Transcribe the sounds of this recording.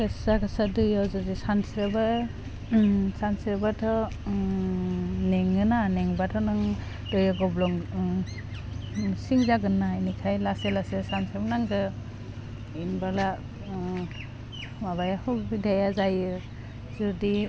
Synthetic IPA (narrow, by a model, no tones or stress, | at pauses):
kɯsakʰasadɯjawzɔzisansɾɯba | sansiɾbatʰɔ | neŋɯnaneŋbatʰɔnɯŋ | dɔjaɡɔblɔŋ | siŋzaɡɯnːajnikʰajlaselasesansebnaŋdɯ | inbala | maβajahʰɔbidʱajazajɯ | zɔdi